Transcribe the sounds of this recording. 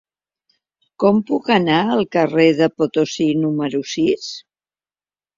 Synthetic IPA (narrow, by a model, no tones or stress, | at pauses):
kɔmpukənaəlˠkəreðəpot̪osinuməɾusis